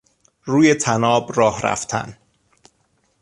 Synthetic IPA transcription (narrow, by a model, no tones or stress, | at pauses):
ruːje̞t̪ʰænɒːbɾɒːhɾæ̰ft̪ʰæ̰n